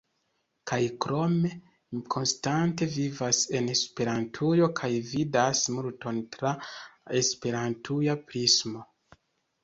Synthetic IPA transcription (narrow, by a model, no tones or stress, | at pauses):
kʰajkɾo̞me̞ | kʰo̞nstante̞vivase̞nespe̞ɾantʰujo̞kʰajvidasmuɾto̞ntɾaespe̞ɾantʰujapɾismo̞